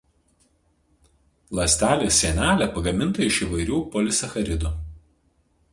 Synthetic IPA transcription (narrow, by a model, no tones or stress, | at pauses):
lˠɐsʲt̪ʲæːlʲeːsʲiɛnʲæːlʲæpɐɡɐmʲɪnt̪ɐɪʃiːˑʋɐɪɾʲuːpɔlʲɪsɐxɐɾʲɪd̪u